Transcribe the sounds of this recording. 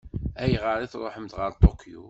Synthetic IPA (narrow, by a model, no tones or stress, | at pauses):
æjʁəɾˤiθɾˤoħəmt̪ʁəɾˤt̪ˤokʰjṵ